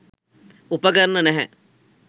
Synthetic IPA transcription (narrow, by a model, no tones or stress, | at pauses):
upəɡəɾnənɛɦɛ̰